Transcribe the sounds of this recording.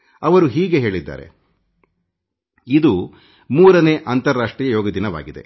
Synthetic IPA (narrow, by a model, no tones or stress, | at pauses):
ɐʋɐɾuɦiːɡe̞ɦe̞ːɭid̪ːa̰ːɾe̞̰ | id̪u | muːɾɐneːʔɐnt̪ɐɾːaːʂʈɾiːjɐjɔːɡɐd̪inɐʋa̰ːɡid̪e̞̰